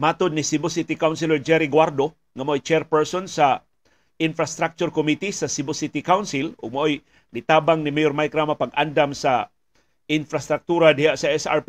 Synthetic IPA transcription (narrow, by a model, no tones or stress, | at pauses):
maːt̪ʊd̪̚nɪsibosit̪ikawnsilɛd͡ʒɛɾiɡwaɾd̪o | ŋamaʔojt͡ʃɛɾpɛɹsɔnsa | ʔɪnfɾast̪ɾak̚t͡ʃʊɾkomit̪isasibosit̪ikawnsɪlʊɡ̚maʔoj | ɡit̪aːbaŋnimɛjoɾmajkɾamapaɡʔand̪amsa | ɪnfɾast̪ɾak̚t̪uɾad̪ɪhaʔsaʔɛsa̰ɾp